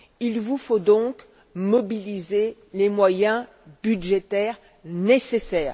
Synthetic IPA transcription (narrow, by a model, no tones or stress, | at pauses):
ilvufod̪ɔ̃k | mɔbilize | lemwajɛ̃ | byd̪ʒet̪ɛʁ | nesesɛːʁ